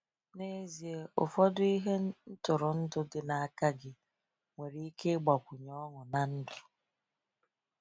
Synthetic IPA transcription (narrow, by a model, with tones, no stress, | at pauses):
ne˦zi˨e˨ʔʊ˨fɔ˦dʊ˦i˦ɦe˦n̩˦n̩˦tʊ˨ɾʊ˨n̩˦dʊ˦ɡɪ˨na˨a˨ka˦ɡɪ˦ | ŋʷe˨ɾi˦i˦ke˦ɡ͡ba˨kʷu˨ɲɔ˦ŋʊ˨na˨n̩˦dʊ̥˨